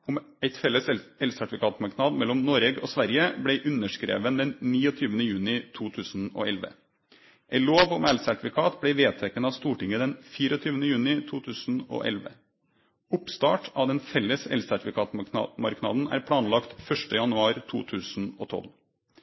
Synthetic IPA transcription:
ʊm | æɪt̪fɛlːəsɛlsæʈɪfɪkʰɑːt̪mɑɾknɑːd̪mɛlːɔmnɔːɾɛɡo̰ːsʋæɾjəblæɪʔʉnəʂkɾḛːʋənd̪ɛnniːɔt̪ʰyːʋənəjʉːnɪt̪ʰuːt̪ʰʉːsn̩o̰ːɛlʋə̰ | ʔæɪloːʋɔmælsæʈfɪkʰɑːt̪bɽæɪʋeːt̪ʰɛkːənɑːʋst̪uːʈɪŋəd̪ɛnfiːɾɔt̪ʰyːʋənəjʉːnɪt̪ʰuːt̪ʰʉːsn̩o̰ːʔɛ̰lʋə̰ | ʊpst̪ɑːʈɑʋd̪ɛnfɛlːəsɛ̰lsæʈɪfɪkɑːt̪nɑ̰mɑɾknɑ̰ːd̪n̩æ̰ːɾpʰɽɑːnlɑkt̪fœʂʈəjɑnʉɑːɾt̪ʰuːt̪ʰʉːsn̩o̰ːt̪ʰɔ̰l

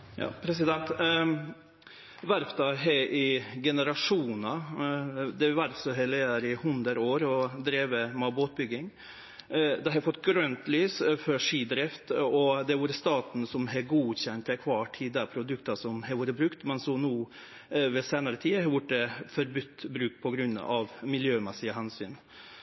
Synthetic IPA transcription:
jɑ̰ːpʰɾɛsɪd̪ɛnt̪ | ʋæɾft̪ɑɦɛɪɡɛnəɾɑʂuːnɑ | d̪ɛʋæɾfsɔɦɛleːəɾɪhʉnd̪əɾoːɾɔd̪ɾeːʋəmɑboːt̪̚bʏɡɪŋ | d̪ɛhɑfɔt̪ːɡɾœnt̪lyːsfɔʂiːd̪ɾɪft̪ɔd̪ɛʋoːɾəst̪ɑːt̪n̩sɔmɦɛɡuːçɛnt̪ɛkʰʋɑːʈʰid̪æpʰɾʊd̪ʉkt̪ɑsɔmhɛʋoːɾəbɾʉkt̪mɛnsɔmnuː | ʋɛseːnɑɾət̪ʰiːɑhɑɾʋʊʈːəfɔɾbʏt̪ːbɾʉːk̚pʰɔɡɾʉnːɑ̰ʋmɪljøːmɛsɪɑɦɛnsy̰ːn

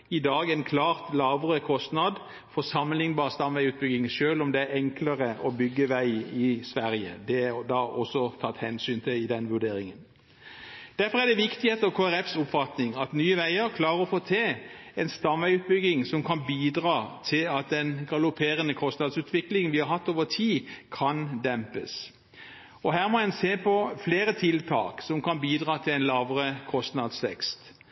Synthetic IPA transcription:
ɪd̪ɑːɡɛnkʰlɑːʁt̪lɑːʋəʁəkʰɔst̪nɑd̪ | fɔsɑmːənɪŋbɑːʁst̪ɑmʋæɪʉːt̪̚bʏɡɪŋʃøːlɔmd̪ɛæɾɛŋkləʁəʔɔbʏɡːəʋæɪɪsʋæɾjə̰d̪ɛæd̪ɑʔɔsːɔt̪ʰɑt̪ːhɛnsyːnt̪ʰɪlɪd̪ɛnʋʉɖ̪eːɾɪŋən | d̪̥æɾfɔʁæd̪ɛʋɪkt̪ɪheːt̪əkʰoːæɾɛfsʊpfɑt̪nɪŋɑt̪nyːəʋæɪəɾkʰlɑːɾəɔfoːt̪ʰeː | ɛnst̪ɑmʋæʉːt̪̚bʏɡɪŋsɔmkʰɑnbiːd̪ʁɑːt̪ʰɪlɑt̪̚d̪ɛnɡɑlʊpʰeːʁənəkʰɔst̪nɑd̪sʉːt̪ʰʋɪklɪŋənʋɪhɑɾhɑt̪ːoːʋət̪ʰiːkʰɑnd̪ɛmpə̰s | ɔɦæːʁmɔɛnseːpʰɔfleːɾət̪ʰɪlt̪ʰɑ̰ːksɔmkʰɑnbiːd̪ʁɑːt̪ʰɪlɛɪnlɑːʋəʁəkʰɔst̪nɑd̪sʋɛ̰kst̪

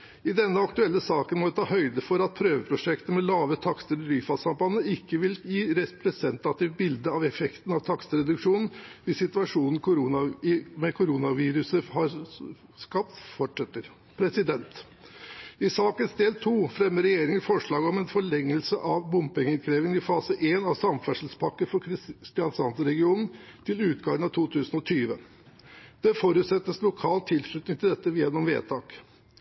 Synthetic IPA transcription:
ɪd̪ɛnːəɑkt̪ʉɛlːəsɑːkənmɔʋɪt̪ʰɑːhœʏd̪əfɔɾɑt̪̚pʰɾøːʋəpʰɾʊʂɛkt̪əmɛlɑːʋət̪ʰɑkt̪əɾɪɾyːfɑsɑmpɑnːəɪkːəʋɪljiːɾɛpʰɾɛsɛnt̪ɑt̪ɪʋbɪld̪əɑʋɛfɛkt̪n̩ɑʋt̪ʰɑkst̪əɾɛd̪ʉkʂuːnn̩ʋɪsːɪt̪ʉɑʂuːnn̩kʰʊɾnɑmɛkʰʊɾuːnɑʋiːɾʉsəhɑɾ | skɑp̚t̪fɔʈʂɛt̪ːəɾ | pʰɾɛsɪd̪ɛnt̪ | ɪsɑːkənsd̪eːlt̪ʰuːfɾɛmːəɾɛjeːɾɪŋəfɔʂɭɑːɡəɔmɛnfɔɭɛŋːəlsəʔɑʋbʊmpɪŋɪnkʰɾeːʋɪŋɪfɑːsəʔeːnɑʋsɑmfæʂl̩spʰɑkːəɾfɔɾɾst̪ɪɑnsɑnt̪səɾɛɡɪuːnn̩t̪ʰɪlʉːt̪ɡɑːʋənɑʋt̪ʰuːt̪ʰʉːsənɔt̪ʰyːʋə | d̪̥ɛfoːɾʉːt̪sɛt̪ːəslʊkʰɑːlt̪ʰɪlʂɭʉt̪nɪŋɪld̪ɛt̪ːəʋjɛnːɔmʋḛːt̪ʰɑːk

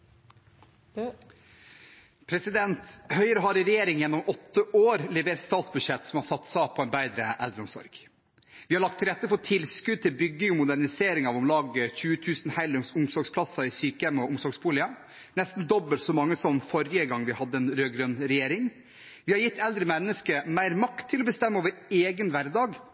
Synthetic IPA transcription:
pʰɾɛsɪd̪ɛnt̪hœʏəɾəɦɑɾɪɾɛjeːɾɪŋjɛnːɔmɔt̪ːəʔoːɾlɛʋeːɾst̪ɑːt̪sbʉd̪ʂɛt̪ːsɔmhɑɾsɑt̪ːsɑpʰɔɛnbæɪd̪ɾəʔɛld̪ɾəʊmsɔ̰ɾɡ̥ | ʋɪːhɑɾɭɑk̚t̪ʰɪlɾɛt̪ːəpɔt̪ʰɪlskʉd̪̚t̪ʰɪlbʏɡːɪŋɔmʊd̪æɾnɪseːɾɪŋɑʋʊmlɑːɡəçʉːət̪ʰʉːsn̩hæɪlsʊmsɔɾɡspʰlɑsɑɪsyːkəɛmɔʔʊmsɔɾɡsbuːlɪɑ | nɛst̪n̩d̪ɔbːəlt̪sɔmɑŋːəsɔmfɔɾɪəɡɑŋːʋɪhɑd̪ːəɛnɾøːɡɾœnɾɛjeːɾɪŋ | ʋɪhɑɾjɪt̪ʰːɛld̪ɾəmɛnːəskəmæɪɾmɑkt̪ʰːɪlɔbəst̪ɛmːəoːʋəɾeːɡənʋæɾd̪ɑːɡ

